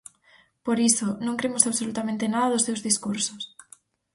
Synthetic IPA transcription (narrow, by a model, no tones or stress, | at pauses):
poɾisonõŋkɾeemosaβsolut̪amẽnt̪enaðaðost̪ewzðiskuɾsos